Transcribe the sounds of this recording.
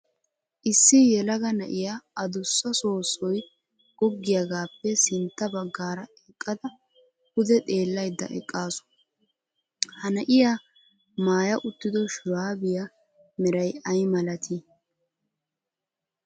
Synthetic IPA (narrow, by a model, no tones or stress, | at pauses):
ʔɪsːɪjɛlɐɡɐnɐʔɪjaɐd̪ʊsːɐso̞ːsːɔj | ɡɔɡːɪjɐɡaːpːɛsɪnt̪ːɐbɐɡːaːɾɐɛkʼːɐd̪ɐ | hʊd̪ɛt̪ʼe̞ːlːɐjd̪ːɐ̰ʔɛ̰kʼːaːsɔ̥ | hɐnɐʔɪja | maːjɐʔʊt̪ːɪd̪ɔʃʊɾaːbɪjɐ | mɛɾɐjɐjmɐlɐt̪ʰɪ